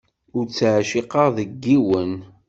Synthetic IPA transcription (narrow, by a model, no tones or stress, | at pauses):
ʊɾt͡sːʕʃiqɑʁðəɡːiwən